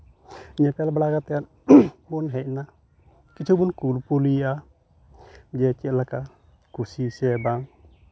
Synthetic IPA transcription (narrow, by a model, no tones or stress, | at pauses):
ɲapɛlblakat̪an | bunɦɛna | kit͡ʃʰubunkulpulia | d͡ʒɛt͡ʃilaka | kusisɛbaŋ